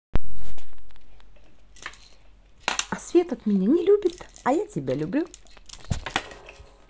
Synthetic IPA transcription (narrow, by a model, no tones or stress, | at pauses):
ɐsvʲe̞t̪ɐt̪mʲɪnʲenʲɪlʲubʲɪt̪ | ɐjatʲɪbʲalʲʊblʲu